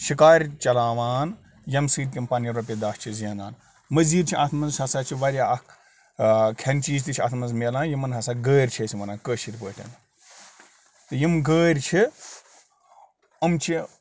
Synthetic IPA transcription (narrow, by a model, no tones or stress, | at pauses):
ʃikaːɾʲt͡ʃɐlaːʋaːn | jɐmsɨːd̪̚kʲimpɐnjɐɾopied̪aːst͡ʃʰizɐːnaːn | mɐziːd̪t͡ʃʰiʔɐt̪ʰmɐnzsɐsaːt͡ʃʰiʋɐɾjaːɐk | kʰɐnt͡ʃiːzt̪it͡ʃʰiɐ̰t̪ʰmɐnzmelãːnjimɐnɦɐsaːɡəːɾʲt͡ʃʰesʲiʋɐnãːkəːʃiɾʲpəːʈʲʰɐ̰n | t̪ɨjimɡəːɾʲt͡ʃʰi | ɐmt͡ʃʰi